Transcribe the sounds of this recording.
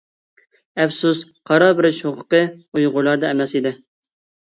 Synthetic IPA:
ɛfsusqʰɑɾɑbɪɾɪʃhoqʰʊ̥qəujʁʊlˠɑɾd̪ɛɛmɛsid̪ɪ

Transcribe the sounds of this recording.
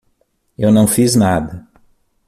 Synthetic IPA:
ewnɐ̃w̃fiznad̪ɐ

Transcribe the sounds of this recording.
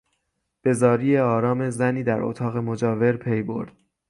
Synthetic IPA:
b̥e̞zɒːɾiːjeɒːɾɒːme̞zæniːd̪æɾo̰t̪ʰɒːɣe̞mo̞d͡ʒɒːve̞ɾpʰe̞jbo̞̰ɾd̪̥

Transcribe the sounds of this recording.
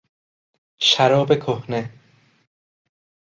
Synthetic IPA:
ʃæɾɒːbekʰohne

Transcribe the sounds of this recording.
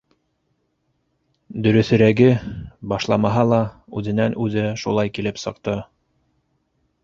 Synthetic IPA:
d̪ɵ̆ɾɵ̆θɵ̆ɾæɡɘbɑʃlˠɑmɑɦɑlˠɑʉðɘ̆nænʉðɘʃulˠɑjkilɘpsɤ̆qt̪ɤ

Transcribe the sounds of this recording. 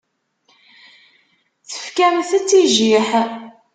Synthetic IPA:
t͡sə̥fkæmθæt͡sːiʒiħ

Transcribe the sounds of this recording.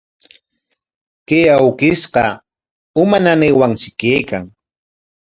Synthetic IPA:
kejawkɪsqɑ | ʊmananejwaŋt͡ʃɪkejkaŋ

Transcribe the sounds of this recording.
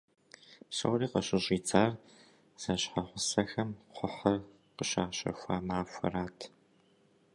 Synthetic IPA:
psɐ̰wriːqəɕɪɕʼiːt͡sʰʼaːr | z̥ɐɕħaχʷʊsɐxɐmqʷʊħɐr | qəɕa̰ːɕɐ̰fʷaːmaːfʷɐ̰raːtʰ

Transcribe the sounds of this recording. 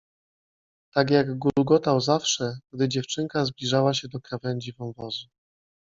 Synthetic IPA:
t̪aɡjaɡɡuɡɔt̪awzafʂɛɡ̥̚d̪ɘd͡ʑɛft͡ʂɘŋkazblʲiʐawaɕɛd̪ɔkɾavɛnd͡ʑivɔ̃wvɔzu

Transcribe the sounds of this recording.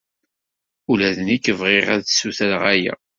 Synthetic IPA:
ulæðənikːəvʁeʁæðsuθælʁæjæ̰

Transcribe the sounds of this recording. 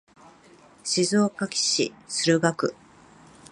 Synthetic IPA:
ɕizɨokakʲi̥ɕḭsɨɾɯ̟ɡakɯ̟

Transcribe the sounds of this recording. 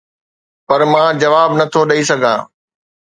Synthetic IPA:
pɐɾmãːd͡ʑɐʋaːbnɐt̪ʰoɗɐisɐɡʱã̰ː

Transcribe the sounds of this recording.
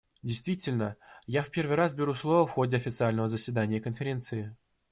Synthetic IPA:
dʲɪjst̪vʲitʲɪlʲnəjafpʲe̞rvɨjɾasbʲɪɾuslˠo̞vəfxo̞dʲɪɐfʲɪt̪sɨalʲnəvəzəsʲvʲɪd̪anʲɪjəkənfʲɪɾʲe̞nt̪sɨɪ

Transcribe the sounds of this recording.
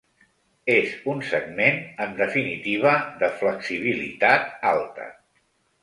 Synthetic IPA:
ezunsəɡmenəmd̪əfinit̪iβ̞əðəfləksiβ̞ilḭt̪at̪alˠt̪ə̰

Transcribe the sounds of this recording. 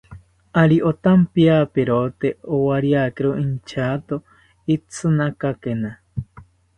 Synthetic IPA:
aɾiʔot̪ampiapeɾot̪eowaɾjakeɾoint͡ʃʰat̪o | it͡sʰɨnakakena

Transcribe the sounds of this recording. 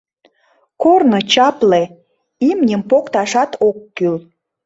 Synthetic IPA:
kornot͡ɕɑple | imnʲəmpokt̪ɑʃɑt̪okːyl

